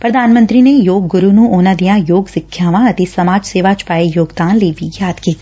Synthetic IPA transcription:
pɾəd̪ʱaːnmə̃nt̪ɾinejoːɡːʊɾunũːoːnãd̪ijãjoːɡsɪkʰːjaːʋãɐt̪esɐmaːd͡ʒseːʋaːd͡ʒ̥paːejoːɡd̪aːnliibʱijaːd̪kiːt̪ː

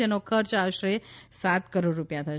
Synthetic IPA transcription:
enokʰəɾt͡ʃaʋʃɾesat̪kəɾoɖːupjat̪ʰa

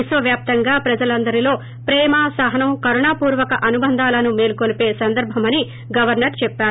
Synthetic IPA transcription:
iʃʋɐʋjaːp̚t̪ɐŋɡaːpɾɐd͡ʒɐlɐnd̪ɐɾilo̞ː | pɾɛːmɐsɐɦɐnɐmkɐɾuɳaːpuːɾʋɐkɐʔɐnubɐnd̪ʱaːlɐnumeːlukolipe̞ːsɐnd̪ɐɾbʱɐmɐni | ɡɐʋɐɾnɐɾt͡ʃɛpːaːɾu

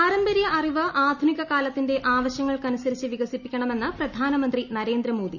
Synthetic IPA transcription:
aːɾɐmbɐɾijɐʔɐriʋɨʔaːd̪ʱuniɣɐkaːlɐt̪ːinde̞ʔaːʋɐɕjɐŋːɐɭkɐnusɐɾit͡ɕːɨʋiɡɐsipːikʲːɐɳɐme̞nːɨprɐd̪ʱaːnɐmɐnd̪rinɐɾe̞ːnd̪ɾɐmo̞ːd̪ḭ

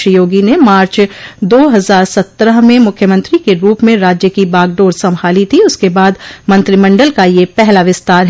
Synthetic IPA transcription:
ʃəjoːɡinemaːɾt͡ʃd̪oːɦɐzaːɾsɐt̪ːɾəɦmẽmʊkʰjəmə̃nt̪ɾikeɾuːpmẽɾaːd͡ʒjəkibaːɡɖoːɾsɐ̃mbʱaːlit̪ʰiʊskebaːd̪mɐ̃nt̪ɾimɐ̃ɳɖəlkajepɛɦlaʋɪst̪aːɾɦ

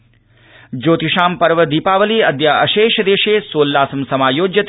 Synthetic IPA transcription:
d͡ʒoːt̪iʃaːmpɐɾʋəd̪iːpaːʋəliɐd̪jaːɐʃeːʃd̪eːʃeːsoːlːaːsɐmsɐmaːjoːd͡ʒjət̪

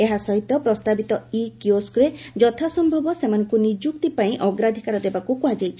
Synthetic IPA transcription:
eɦasɔɦit̪ːɔpɾɔst̪abit̪ɔikjoskɾed͡ʒɔt̪ʰasɔmbʱɔbɔsemanɔŋkunid͡ʒuk̚t̪ipaĩʔɔɡɾad̪ʱikaɾɔd̪ebakukuɦad͡ʒajt͡ʃʰi̥

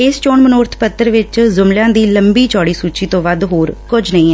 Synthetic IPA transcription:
ɪst͡ʃoːnmənʊːɾt̪ʰpət̪ːəɾʋɪt͡ʃzʊmljãːd̪iːləmbiːt͡ʃɔːɽiːsuːt͡ʃiːt̪õːʋəd̪ɦoːɾkʊd͡ʒnəĩːɛː

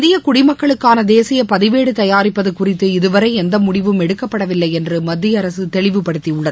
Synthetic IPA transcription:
ðɪjɐkʊɽɪmɐkːɐɭɯkːaːnɐd̪eːsɪjɐpɐðɪʋeːɽɯt̪ɐjaːɾɪpːɐðɯkʊrɪt̪ːɯɪðɯʋɐɾɐɪɛnd̪ɐmʊɽɪʋɯmɛɽɯkːɐpːɐɽɐʋɪlːɐɪɛndrɯmɐd̪ːɪjɐɾɐsɯt̪ɛɭɪʋɯpɐɽɯt̪ːiʊɭːɐðɯ

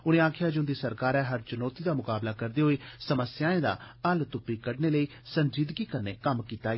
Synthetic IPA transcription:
ʊnẽːaːkʰɪjaːd͡ʒʊnd̪iːsəɾkaːɾɛːɦəɾt͡ʃʊnoːt̪iːd̪aːmʊkaːblaːkəɾd̪eːɦoːiːsəməsjãːẽːd̪a̰ːəlt̪ʊpːiːkəɽneːləiː | sənd͡ʒiːd̪ɡiːkəɾnḛːkəmkiːt̪aː

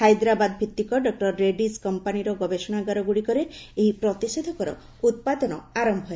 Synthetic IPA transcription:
hajd̪ɾabad̪ɔbʱit̪ːikɔɖɔk̚ʈɔɾːeɖiskɔmpaniɾɔɡɔbesɔɽ̃aɡaɾɔɡuɽikɔɾeeɦipɾɔt̪ised̪ʱɔkɔɾɔ̰ | ut̪̚pad̪ɔnɔaɾɔmbʱɔe

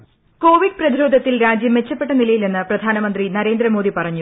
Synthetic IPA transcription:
ko̞ːʋiɖ̚prɐd̪iɾo̞ːd̪ʱɐt̪ːilɾaːd͡ʑjɐmʋe̞t͡ɕːɐpːe̞ʈːɐnilɐjilenːɨprɐd̪ʱaːnɐmɐnd̪rinɐɾe̞ːnd̪ɾɐmo̞ːd̪ʱipɐrɐɲːu

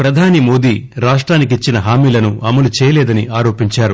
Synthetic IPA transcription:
pɾɐd̪ʱaːnimo̞ːd̪iːɾaːʂʈɾaːnikit͡ʃːinɐɦaːmiːlɐnuʔɐmɐlut͡ʃɛːjɐlɛːd̪ɐniaːɾo̞ːpiɲt͡ʃaːɾu

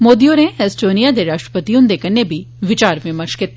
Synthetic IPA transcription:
moːd̪ionẽɦɛsʈoːnijad̪eɾaːʃʈɾə̥pət̪iʊ̃nd̪eːkɐnːebʱi | ʋɪt͡ʃaːɾmẽmɐʃkɪt̪ː

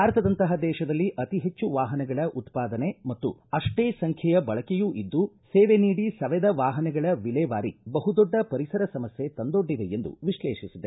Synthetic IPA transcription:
aːɾɐt̪ʰɐd̪ɐnt̪ɐɦɐd̪ɛːʃɐd̪ɐlːiʔɐt̪iɦe̞t͡ʃːuʋaːɦɐnɛɡɐɭɐʔut̪paːd̪ɐne̞mɐt̪ːṵɐʂʈeːsɐŋkʰjɐjɐbɐɭɐkejuʔid̪ːuseːʋe̞niːɽisɐʋɛd̪ɐʋaːɦɐnɛɡɐɭɐʋilɛːʋaːɾibɐɦud̪ɔɖːɐpɐɾisɐɾɐsɐmɐsje̞t̪ɐnd̪o̞ɖːid̪e̞end̪ṵʋiʃlɛːʃisid̪e

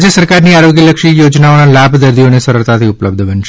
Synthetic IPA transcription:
d͡ʒjəsəɾkaɾniaɾoɡjələkʃijod͡ʒnaonalabʱd̪əɾd̪ʱionesəɾəɭt̪ʰat̪ʰiʊpləb̚d̪ʱbənʃ

